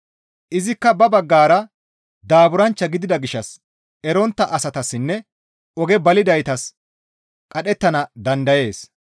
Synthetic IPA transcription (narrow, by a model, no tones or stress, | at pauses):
ʔɪzɪkːɐbɐbɐɡːaːɾɐ | d̪aːbʊɾɐnt͡ʃːɐɡɪd̪ɪd̪ɐɡɪʃːɐs | ɛɾɔnt̪ːɐʔɐsɐt̪ɐsːɪnːɛ | ɔɡɛbɐlɪd̪ɐjt̪ɐs | kʼɐɗɛt̪ːɐnɐd̪ɐnd̪ɐje̞ːs